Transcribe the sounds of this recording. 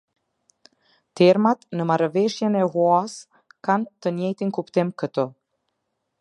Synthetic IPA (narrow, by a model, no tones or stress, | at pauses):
t̪ɛɾmat̪nəmaɾvɛʃjɛnɛɦuas | kant̪ənjɛjt̪inkupt̪imkət̪ɔ